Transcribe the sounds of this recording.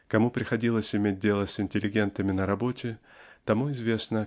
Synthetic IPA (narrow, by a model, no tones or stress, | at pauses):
kɐmupɾʲɪxɐdʲilˠəsʲɪmʲet̚ʲdʲe̞lˠəsɪnʲtʲɪlʲɪɡʲe̞nt̪əmʲɪnəɾɐbo̞tʲɪ | t̪ɐmuɪzvʲe̞snə